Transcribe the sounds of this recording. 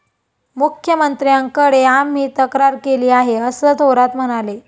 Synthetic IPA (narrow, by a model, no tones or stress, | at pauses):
mukʰjəmənt̪ɾijaŋkəɽeamːiːt̪əkɾaɾkeliːaɦeəsəːt̪oɾat̪m̤əɽ̃ale